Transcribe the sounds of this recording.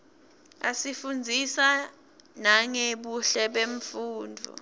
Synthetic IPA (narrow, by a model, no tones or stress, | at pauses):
a̰sifund͡zʱisa | naŋeɓuɬɛɓeɱfuːndʱṵ